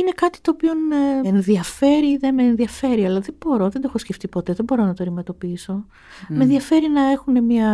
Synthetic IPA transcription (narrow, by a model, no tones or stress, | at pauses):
ine̞kɐt̪i̥t̪o̞ːpio̞nenðiɐfe̞ɾiðemeːnðiɐfe̞ɾiɐlɐðebo̞ɾo̞ðend̪oexosceft̪ipo̞t̪e̞ðebo̞ɾo̞nɐt̪oɐɾime̞t̪o̞piiso̞ | me̞nðiɐfe̞ɾinɐe̞xune̞miɐ